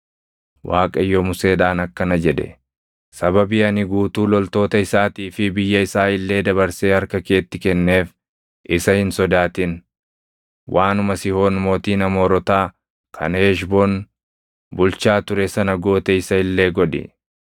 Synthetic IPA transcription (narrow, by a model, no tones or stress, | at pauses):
wʔaːkʼɐjːɔmʊse̞ːᶑaːnɐkːɐnɐd͡ʒɛᶑɛ̰ | sɐbɐbɪɐnɪɡuːt̪uːlɔlt̪o̞ːt̪ɐɪsaːt̪iːfɪbɪjːɐɪsaːɪlːe̞ːd̪ɐβɐɾseːhɐɾkɐke̞ːt̪ːɪkɛnːe̞ːf | ʔɪsɐhɪnsɔd̪aːt̪ɪn | wʔaːnʊmɐsɪho̞ːnmo̞ːt̪iːnɐmo̞ːɾɔt̪aː | kʰɐ̰neːʃboːn | bʊlt͡ʃaːt̪ʊɾɛsɐnɐɡo̞ːt̪ɛɪsɐɪlːe̞ːɡɔᶑɪ̰